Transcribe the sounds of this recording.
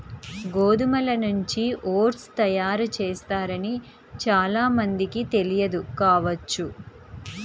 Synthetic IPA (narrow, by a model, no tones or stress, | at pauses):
ɡoːd̪umɐlɐnuɲt͡ʃiʔoːɾst̪ɐjaːɾut͡ʃeːst̪aːɾɐni | t͡ʃaːlaːmɐnd̪ikit̪e̞lijɐd̪ukaːʋɐt͡ʃːu